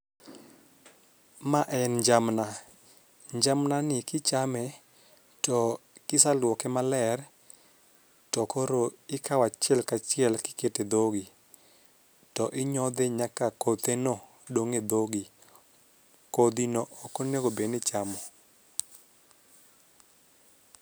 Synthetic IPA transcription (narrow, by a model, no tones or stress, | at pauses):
maʔɛnɲd͡ʒamna | ɲd͡ʒamnanɪkɪt͡ʃamɛ | tɔkɪsalwɔkɛmalɛr | tɔkoɾoɪkawat͡ʃjɛlkat͡ʃɪɛlkɪ̥keted̪oɡi | tɔʔɪɲɔd̪ɛɲakakot̪eno | doŋed̪oɡi | kod̪inoʔɔkɔneɡobenɪt͡ʃamɔ